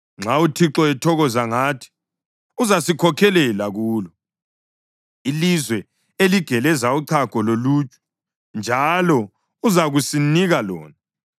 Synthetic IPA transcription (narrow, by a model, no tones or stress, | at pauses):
ŋ͡ǁʱautʰiǁɔɛtʰɔɣɔzaŋaːtʰi̥ | uzasikʰɔkʰɛlɛlaɣuːlɔ | ilizwɛ | eliɡ̥ʱɛlɛzauǀʰaɡ̥ʱɔloluːt͡ʃʼɛ̥ | nd͡ʒʱalɔ | uzaɣusiniɣalɔ̰ːna